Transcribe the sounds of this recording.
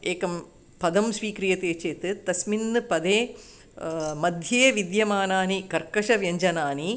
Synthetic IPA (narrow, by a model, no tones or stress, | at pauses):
eːkɐm | pɐd̪ɐmsʋiːkɾijɐt̪eːt͡ʃeːt̪ɨt̪ɐsminːɨpɐd̪eː | mɐd̪ʱjɐːjɐʋid̪jɐmaːnaːnikɐɾkɐʂɐʋjɐɲd͡ʒɐnaːni